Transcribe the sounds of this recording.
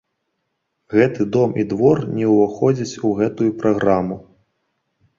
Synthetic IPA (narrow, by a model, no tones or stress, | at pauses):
ɣɛt̪ɨd̪ɔmid̪vɔrnʲɛwvaxɔd͡zʲɐt͡sʲuɣɛt̪ujupɾaɣɾamu